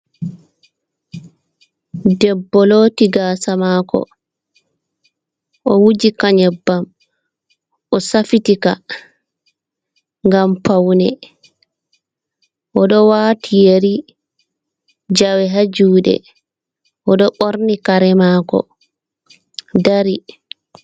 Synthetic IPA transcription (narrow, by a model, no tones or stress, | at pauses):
dɛbːɔloːtiɡaːsamaːkɔ̰ | ʔɔwud͡ʒikaɲɛbːam | ʔɔsafitika | ŋɡampawnɛ | ʔɔɗɔwaːtʰijeɾi | d͡ʒawɛɦad͡ʒuːɗɛ̰ | ʔɔɗɔɓoɾnikaɾɛmaːkɔ̰ | daɾi